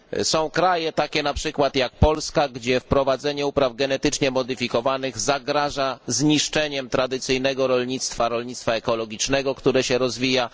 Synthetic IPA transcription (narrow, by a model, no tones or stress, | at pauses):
sɔ̃w̃kɾajɛt̪akʲɛnapʂɘkwat̪jak̚pɔlskaɡd͡ʑɛfpɾɔvad̪zɛɲɛupɾavɡɛnɛt̪ɘt͡ʂɲɛmɔd̪ɘfʲikɔvanɘɣzaɡɾaʐazɲiʂt͡ʂɛɲɛmt̪ɾad̪ɘt̪sɘjnɛɡɔɾɔlɲit̪st̪faɾɔlɲit̪st̪faɛkɔlɔɡʲit͡ʂnɛɡɔkt̪uɾɛɕɛɾɔzvʲija